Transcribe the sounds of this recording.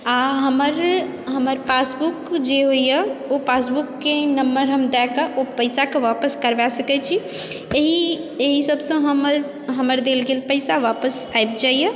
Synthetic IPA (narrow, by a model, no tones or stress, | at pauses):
aɦəməɾ | ɦəməɾpasbukd͡ʒeɦoijjəopasbukːenəmbəɾɦəmd̪ɛkəʔopəɪsakeʋapəskəɾbasəkɛt͡ʃʰieɦi | eɦisəbsə̃ɦəməɾ | ɦəməɾd̪elɡelpəɪsaʋapəsajb̚d͡ʒaijə